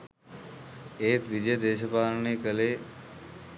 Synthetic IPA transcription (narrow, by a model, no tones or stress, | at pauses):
eːt̪ʋɪd͡ʒəjd̪eːʃəpaːɾnekəle